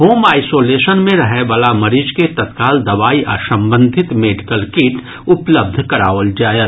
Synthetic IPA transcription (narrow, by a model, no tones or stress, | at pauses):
ɦoːmaːɪsoːleːʃənmẽɾɐɦeʋaːlamɐɾiːd͡ʒket̪ɐt̪kaːld̪ɐʋaːiʔa̰ːsɐ̃mbə̃nd̪ʱɪt̪meːɖɪkəlkeʈ | ʊpləb̚d̪ʱkɐɾa̰ːʋəld͡ʒaːjət̪